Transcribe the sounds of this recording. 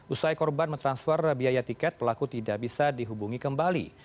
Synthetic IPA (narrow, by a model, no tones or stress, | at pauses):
ʔusajkɔrbanmənt̪ɾansfərbiajat̪ikɛt̪̚pəlakut̪idaʔbisadiɦubuŋikəmbalḭ